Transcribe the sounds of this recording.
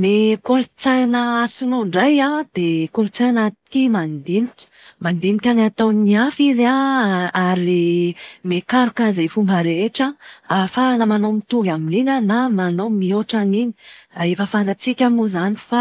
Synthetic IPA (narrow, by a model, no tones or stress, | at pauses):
nekolut͡sajnəsunoɳɖ͡ʐajad̪̥ekolut͡sajnt̪i̥kʲimand̪imikʲə̥mand̪imikʲanat̪aniafizaaɾimekaɾukazejfumbəɾeʈ͡ʂəafanamanomit̪uɡamininənamanomioʈ͡ʂanini̥aefəfant̪at͡sikʲamuzanifa